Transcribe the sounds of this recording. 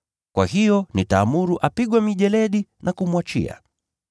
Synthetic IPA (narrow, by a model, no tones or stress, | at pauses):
kwa̰hijɔnitaːmuɾuʔapiɠwamiʄɛlɛɗinakumwat͡ʃḭa̰